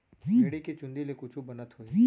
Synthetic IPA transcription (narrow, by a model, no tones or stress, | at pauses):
ʃeɽiket͡ʃʊ̃nd̪ilekʊt͡ʃʰubɐnət̪ɦoi